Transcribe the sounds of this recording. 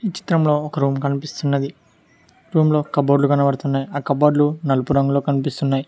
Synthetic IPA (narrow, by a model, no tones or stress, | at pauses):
it͡ʃi̥t̪ɾɐmlo̞ːɔkɐɾuːmkɐnipist̪unːɐd̪i | ɾuːmlo̞ːkɐboːɖlukɐnɐʋɐɽt̪unːaːjaːkɐboːɖlunɐlupuɾɐŋɡulo̞ːkɐnipist̪unːaːji